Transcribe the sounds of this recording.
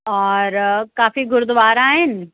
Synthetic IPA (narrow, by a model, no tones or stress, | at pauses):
ɔːɾkaːfiɡʊɾd̪ʋaːɾaːɦɪn